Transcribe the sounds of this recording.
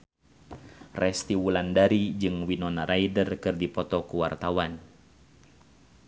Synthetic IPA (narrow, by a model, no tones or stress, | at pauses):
rʔɛst̪iwulandaɾid͡ʒɨŋwinɔnaɾaidərkɨrdipɔt̪ɔkuwart̪awan